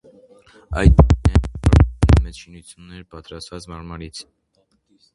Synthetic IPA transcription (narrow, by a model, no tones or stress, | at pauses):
ɑ̰jd̪̚nɛɔɾɛmɛt͡sʃinut͡sʰjunːɛɾpɑt̪ɾɑst̪vɑt͡smɑɾmɑɾit͡sʰ